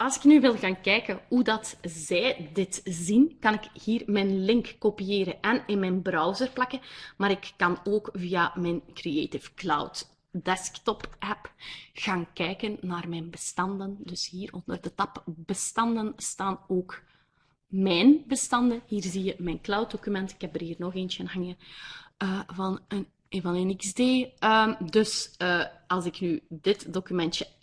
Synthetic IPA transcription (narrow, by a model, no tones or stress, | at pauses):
ɑlˠsɪ̥knyʋɪlˠɣaːnkɛːkəɦudɑtzɛːjdɪtzinkɑnɪkhiːrmɛnlɪŋkːopijeːɾənʔɛnɪnmɛnbrɑwzərplɑkəmaːɾɪkːɑnoːkvijamɛnkriḛːtɪfkla̰wt | dɛsktɔpɛpɣ̥aːnkɛjkənːaːrmɛːnbəstɑndəndɵshiːrɔndərdətɑpb̥əstɑndənstaːnoːk | mɛːnbəstɑndənɦiːrzijəmɛnklawt̚dokymɛntɪ̥khɛb̚dərɦiːrnɔxeːnt͡ʃəənɦɑŋənəːvɑnən | vɑnənɪksdeːəːmdɵsəːɑlˠzɪknydɪtdokymɛntjə